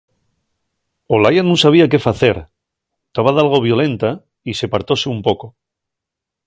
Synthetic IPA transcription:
olajanũnsaβ̞iake̞faθe̞ɾ | t̪aβaðalɣo̞βjo̞le̞nt̪a | ise̞paɾt̪o̞seumpo̞ko̞

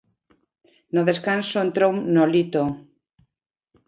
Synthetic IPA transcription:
noðeskansoent̪ɾownolit̪o

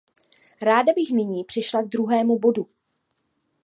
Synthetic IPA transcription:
ɾaːdabɪxnɪɲiːpr̥ɪʃlaɡ̚d̪ɾuɦɛːmubo̞du

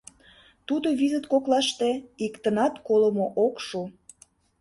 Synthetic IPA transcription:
t̪ud̪oβizət̪koklɑʃt̪eikt̪ənɑt̪koləmoʔokʃu

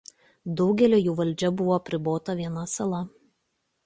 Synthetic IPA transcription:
d̪ɒʊɡʲɛlʲoːjuːʋɐlʲd͡ʒʲɛbʊʋoːɐpʲɾʲɪboːt̪ɐʋʲiɛnɐsɐlˠɐ

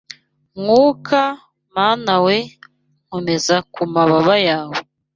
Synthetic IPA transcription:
ŋuːkʰa | maːnawe | ŋ̥home̞zakumaβaβajaːwe

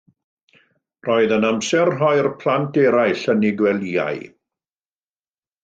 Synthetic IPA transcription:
rɔɨðənamsɛrɦɔjrpʰl̥ˠantʰɛɾajɬənɪɡwɛlˠia̰j

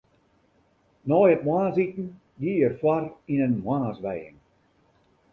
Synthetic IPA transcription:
nɔjətmwaːnasitn̩ | jiərfwarinənmwanasʋɛjə̰ŋ

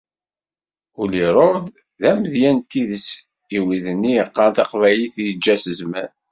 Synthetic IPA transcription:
ʊliɾˤod̪ | ðæməðjænt̪ːiðəs | iwiðənːijəqːɑnt̪ɑqvæliθjəd͡ʒːæsəzmæn

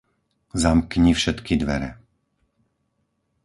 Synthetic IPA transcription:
zamkɲifʃɛt̪kʰid̪ʋɛ̰ɾɛ̰

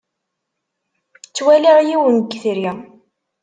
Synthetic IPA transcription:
t͡sːwæliʕjiwənɡθɾi

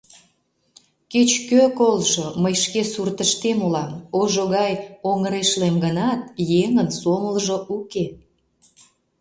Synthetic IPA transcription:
ket͡ɕkøkolʒoməjʃkesurt̪əʃt̪emulɑmoʒoɣɑjoŋəɾeʃlemɡənɑt̪̚jeŋənsoməlʒoʔuke

